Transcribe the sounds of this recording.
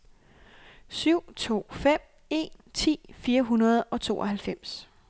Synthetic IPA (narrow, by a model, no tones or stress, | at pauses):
syʊ̰t͡sʰo̝̰ːfem̰ | e̝̰nt͡sʰḭːfiːɐɦunɐð̞ˠɒ̽t͡sʰo̝̰ːʔɒ̽ɦælfem̰s